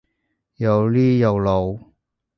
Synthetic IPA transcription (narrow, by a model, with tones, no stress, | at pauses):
jɐ˨˧wliː˥jɐ˨˧wlo˨˧w